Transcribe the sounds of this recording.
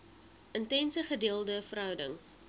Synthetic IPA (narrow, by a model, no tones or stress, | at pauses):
ʔəntɛnsəχədiːəlˠdəfəɾɦœwdəŋ